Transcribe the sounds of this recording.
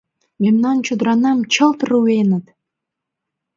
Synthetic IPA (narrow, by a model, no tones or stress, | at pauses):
memnɑnt͡ɕod̪ɾɑnɑmt͡ɕʰɤ̆lˠt̪ruenə̆t̪